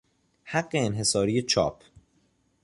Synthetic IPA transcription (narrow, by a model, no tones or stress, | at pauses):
haɡːe̞ːnɦe̞sɒːɾiːjet͡ʃʰɒ̰ːpʰ